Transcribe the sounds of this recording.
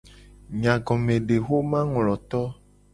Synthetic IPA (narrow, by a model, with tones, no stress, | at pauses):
ɲã˨ɡɔ̃˨mẽ˨ɖe˨xo˦mã˦ŋlɔ˨t̪ɔ˦